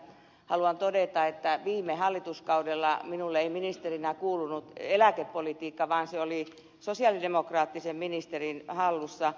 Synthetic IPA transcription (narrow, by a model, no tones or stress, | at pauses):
hɑluɑnt̪odet̪ɑet̪ːæʋiːmːehɑlːit̪uskɑudelːɑminulːeiminist̪erinækuːlunut̪elækepːolit̪iːkːɑʋɑːnseoli | sosiɑlidemokrɑːt̪ːisemminist̪erinhɑlːusːɑ